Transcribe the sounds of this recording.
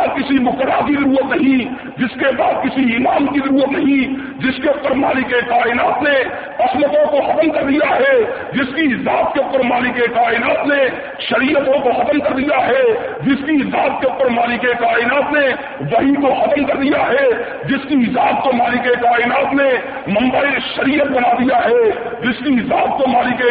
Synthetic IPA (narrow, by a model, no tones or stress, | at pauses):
kɪsimʊkəɾːakizɐɾuːɾət̪nɐɦĩ | d͡ʒɪskebaːd̪̚kɪsiɪlaːmkizɐɾuːɾət̪nɐɦĩ | d͡ʒɪskeʊpəɾmaːlɪkekaːɪnaːt̪ne | ɐsmət̪õkoxɐt̪əmkɐɾd̪ijaɦɛ | d͡ʒɪskiɪzaːt̪̚keʊpəɾmaːlɪkekaːɪnaːt̪ne | ʃɐɾiːʔət̪õkoxɐt̪əmkɐɾd̪ijaɦɛ | d͡ʒɪskiɪzaːb̪̚keʊpəɾmaːlɪkekaːɪnaːt̪ne | ʋɐɦĩkoxɐt̪əmkɐɾd̪ijaɦɛ | d͡ʒɪskiɪzaːb̪̚komaːlɪkekaːɪnaːt̪ne | mɐ̃mbaiʃɐɾiːət̪̚bɐnaːd̪ijaɦɛ | d͡ʒɪskiɪzaːb̪̚komaːlike